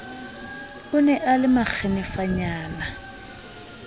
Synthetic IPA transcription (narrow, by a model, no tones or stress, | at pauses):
ʊnɛʔalɪmak͡xʰɛnɛfaɲaːna